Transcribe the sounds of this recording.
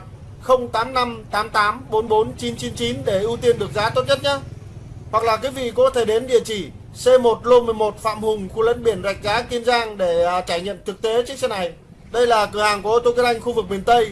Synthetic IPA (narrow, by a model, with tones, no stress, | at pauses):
xə˧wŋ͡mt̪aː˨˦mna˧mt̪aː˨˦mt̪aː˨˦mɓo˨˦nɓo˨˦nt͡ɕi˨˦nt͡ɕi˨˦nt͡ɕi˨˦nɗe˧˩ʔɨ˧t̪i˧ənɗɨ˨˩ək̚zaː˨˦t̪o˦˥t̚ɲə˦˥t̚ɲaː˨˦ | hwa˨˩k̚laː˨˩kaː˨˦vḭ˧˨kɔ˧˨˦ɔ˦t̪ʰe˧˩ɗe˨˦nɗḭ˧˨ət͡ɕi˧˩ | se˧mo˨˩t̚lo˧mɨ˨˩əjmo˨˩t̚fa̰ː˧˨mhʊ˨˩ŋ͡mxu˧lə̰˧˥nɓi˧˩ənza˨˩jk̟̚zaː˨˦t̪i˧ənzaː˧ŋɗe˧˩˨t͡ɕaː˧˩jɲə̰˧˨mt̪ʰɨ˨˩k̚t̪e˨˦t͡ɕɨ˦˥ksɛ˧na˨˩j | ɗə˧jlaː˨˩kɨ˨˧˩haː˨˩ŋku˧˩ət̪o˧ki˧˦˥t̚ʔa˧jŋ̟xu˧vɨ˨˩k̚ɓi˧˩ənt̪ə˧j